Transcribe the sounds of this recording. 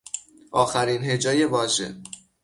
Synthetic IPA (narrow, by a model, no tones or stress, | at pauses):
ʔɒːxæɾiːnɦe̞d͡ʒɒːje̞vɒːʒe̞̰